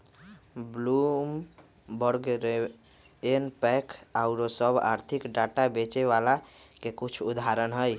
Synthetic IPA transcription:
blum | bəɾɡɾe | enpɛkʰaʊɾosəba̰ɾt̪ʰikɖaʈabet͡ʃeβala | kekit͡ʃʰud̪ʱaɾənɦəj

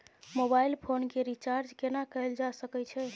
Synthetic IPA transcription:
mobailpʰonkeɾit͡ʃaɾd͡ʒkenakəeld͡ʒasəkɛt͡ʃʰɛ

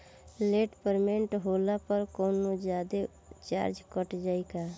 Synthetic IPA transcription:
leʈpəɾmeɳʈɦolapəɾkɔʊnod͡ʒjad̪e | t͡ʃa̰ɾd͡ʒkəʈd͡ʒaɪka

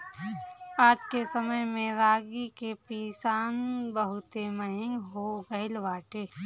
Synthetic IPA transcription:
aːd͡ʒkesəməjmẽɾaːɡikepiːsaːnbəɦʊt̪eməɦɪ̃ŋɡɦoɡəɪlʋaːʈeː

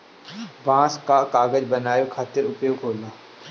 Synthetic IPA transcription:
bãːskakaːɡəd͡ʒbɐnaːjokʰaːt̪ɪɾʊpjoːkʰoːlnaː

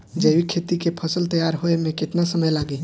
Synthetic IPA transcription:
d͡ʒeːwikʰeːt̪ikepʰəsəlt̪əjaːɾɦoemẽkɪt̪nasəməjlaːɡiː

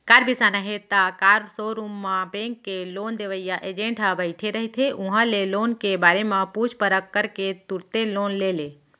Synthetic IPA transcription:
kaɾbisanaɦet̪akaɾsoɾumːãbẽŋkːelond̪eʋəjjaʔed͡ʒẽɳʈɦəbəɪʈʰeɾəɦit̪ʰeʔũɦãlelonkebaɾemãput͡ʃʰpəɾəkːəɾket̪uɾt̪elonlele

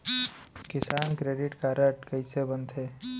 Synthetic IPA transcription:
kɪsaːnkɾeːɖɪʈkaːɾəʈkəɪsebənt̪ʰeː

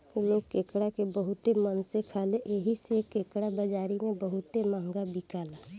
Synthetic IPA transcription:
k̪loːɡkeːkɽakebəɦʊt̪emənsekʰaːleʔeɦisekeːkɽabəd͡ʒaːɾimẽbəɦʊt̪emãːŋɡabikaːlaː

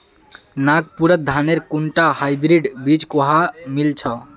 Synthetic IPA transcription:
naɡ̚puɾət̪̚d̪ʱaneɾkuɳʈahajbɾiɖbid͡ʒkoɦamilt͡ʃʰə

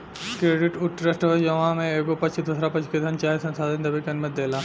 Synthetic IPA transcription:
kɾeːɖɪʈʊʈɾəsʈʋəd͡ʒɐʋãmẽeːkopɐt͡ʃʰid̪usɾapɐt͡ʃʰked̪ʱɐnt͡ʃaːisɐ̃nsaːd̪ɐnd̪ɐbʱikɐnmət̪̚d̪eːlaː

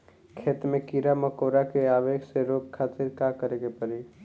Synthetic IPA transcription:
kʰeːt̪mẽkiːɾaməkoːɾakeaːʋeːkseɾoːkkʰːaːt̪iɾkakəɾeːɡepəɾi

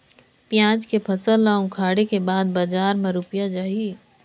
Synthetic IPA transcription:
pjãːd͡ʒkepʰɐsəlːaːũkʰaːɽekebaːd̪bad͡ʒaːɾmẽɾʊpijad͡ʒaːɦi

